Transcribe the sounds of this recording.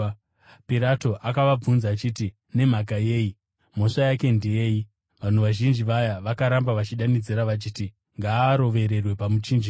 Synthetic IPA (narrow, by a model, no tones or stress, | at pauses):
piɾato̞ʔakaʋab͡vunzaːt͡ʃiːti | ne̞m̤ak̬aje̞ːi | mo̞ʂajake̞ndejeːji | ʋan̤uʋaʒind͡ʒiʋajaʋakaɾambaʋat͡ʃiɗanid͡ziɾaʋat͡ʃiːti | ŋɡaːɾo̞ʋe̞ɾe̞rwe̞pamud͡ʒiːnd͡ʒi